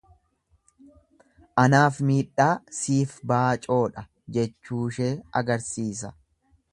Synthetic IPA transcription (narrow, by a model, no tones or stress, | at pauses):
ʔɐnaːfmiːᶑːaːsiːfbaːt͡ʃʼo̞ːᶑɐ | d͡ʒɛt͡ʃːuːʃe̞ːɐɡɐɾsiːs̬ɐ